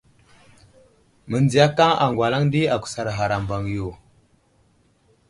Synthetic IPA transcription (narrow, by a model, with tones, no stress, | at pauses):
mə˨nd͡zi˨ja˦ka˦ŋa̰˨ŋɡwa˨la˦ŋ˦di˦a˨ku̥˨sa˨ɾa˨ɦa˨ɾa˨mba˨ŋ˨jo˨